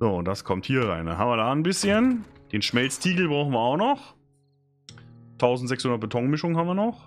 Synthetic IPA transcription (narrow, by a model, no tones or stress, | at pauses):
zoːʊntd̥askʰɔmthiːɐʁa̰ɪnda̰nhɦa̰ːmviɐdaːnbɪsçənd̥eːnʃmɛlt͡stʰiːɡl̩bʁaʊxn̩viɐaʊxnɔχ | tʰaʊzn̩tz̥ɛkshʊndɐt̚b̥etʰɔŋmɪʃʊŋənhamviːɐnɔχ